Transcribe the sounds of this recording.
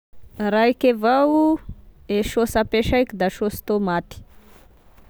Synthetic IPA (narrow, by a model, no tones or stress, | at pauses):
raikevawu | eʃosapeʃajkʲid̪aʃost̪omat̪i̥